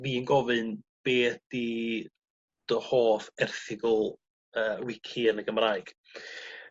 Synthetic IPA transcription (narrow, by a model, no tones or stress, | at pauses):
viːənɡɔvɨnb̥eːd̥i | d̥ɔhoːθɛrθɪɡɔlˠ | əːwɪkʰiənəɡəmraːɨɡ̥